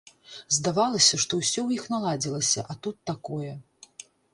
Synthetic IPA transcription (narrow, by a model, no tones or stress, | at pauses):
zd̪avalˠɐsʲɐʂt̪ɔwsʲɔwjixnalˠad͡zʲilˠɐsʲɐ̰ʔat̪ut̪ːakɔjɛ